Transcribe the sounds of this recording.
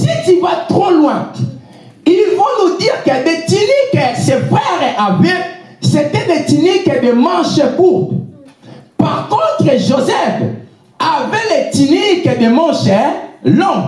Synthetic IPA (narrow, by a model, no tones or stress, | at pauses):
sitivat̪ʁolwɛ̃ | ilfonudiʁkɛdetinikɛsefʁɛʁɛʔavɛ | setɛbetinikɛdemãʃɛkup | paʁkɔ̃t̪ʁəʒozɛf | avɛletinikɛdemɔ̃ʃɛlɔ̃